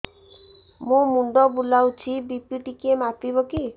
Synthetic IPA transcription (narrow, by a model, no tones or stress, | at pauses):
mũmuɳɖɔbulawt͡ʃʰibipiʈikemapibɔki